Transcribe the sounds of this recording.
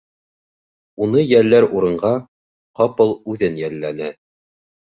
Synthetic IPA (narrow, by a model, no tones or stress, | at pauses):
unɤjælːæɾuɾɤ̆ɴɢɑ | qɑpɤlˠʉðɘnjælːænɘ